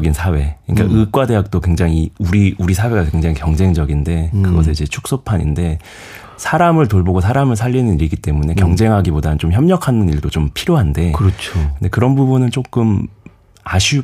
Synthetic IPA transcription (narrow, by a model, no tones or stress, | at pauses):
ɡinsʰawe̞ɯɲik͈a̰ʔɯk͈wade̞ɦak̚t͈okwe̞ŋd͡ʑaŋiuɾiuɾisʰawe̞ɡakweŋd͡ʑaŋikjʌŋd͡ʑe̞ŋd͡ʑʌɡinde̞kɯɡʌsʰeid͡ʑe̞t͡ɕʰu̥k̚s͈opʰaɲḭnde̞ | sʰaɾamɯɭtoɭboɡos̬ʰaɾamɯɭsʰaʎːinɯniɾiɡit͈e̞mune̞kjʌŋd͡ʑe̞ŋɦaɡibodanɯnt͡ɕomçjʌmɲʌkʰanɯniɭdot͡ɕompʰiɾjoɦande̞kɯɾʌt͡ɕʰokɯnde̞kɯɾʌnbubunɯnt͡ɕ͈ok͈ɯm | aɕʰu